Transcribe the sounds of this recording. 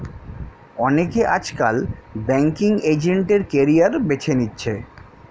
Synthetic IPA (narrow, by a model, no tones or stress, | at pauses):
ɔnekeʔad͡ʑkalbɛŋkiŋed͡ʑeɳʈeɾkeɾijaɾbet͡ɕʰenitːɕʰe